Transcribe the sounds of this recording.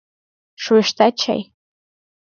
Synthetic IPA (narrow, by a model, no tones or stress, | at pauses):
ʂweʂtʰat͡ʃʰa̰j